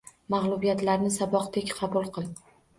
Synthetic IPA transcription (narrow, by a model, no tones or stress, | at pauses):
mɑʁlˠʊbijat̪laɾnɪsabɒqt̪ʰekʲqʰɑbʊlˠqʰɨlˠ